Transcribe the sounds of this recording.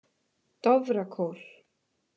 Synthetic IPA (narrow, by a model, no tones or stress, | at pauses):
t̪ɔvɾakʰowl̥